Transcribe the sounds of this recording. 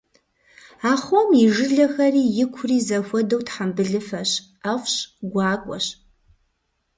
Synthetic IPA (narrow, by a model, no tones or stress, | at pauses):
aːχʷomiʒɨɮɐxɐriːjɪkʷʰriːzɐxʷɔdowtħambɨɮɨfɐɕ | aχʷɕɡʷɑːkʷʼɔɕ